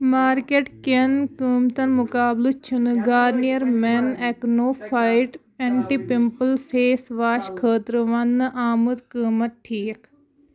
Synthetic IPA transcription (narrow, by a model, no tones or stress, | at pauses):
maːɾkeʈkenkəːmt̪ɐnmʊkaːblɨt͡ʃʰunɨɡaːɾnijɐɾmɛneknoːpʰaːɪʈ | ẽɳʈipɪmpəlpʰeːsʋaːʃkʰəːt̪ɾʋɐnːʔaːməd̪kəːmɐt̪̚ʈʰiːk